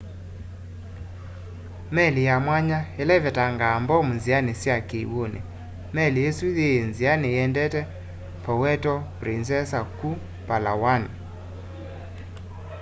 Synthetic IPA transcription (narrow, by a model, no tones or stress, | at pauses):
mɛlijamwaɲaelɛvɛtaŋɡambɔmunzianesjakeiwonḛ | mɛliesuðenzianejɛndɛtɛ | pɔwɛtɔpɾinsɛsaku | palawana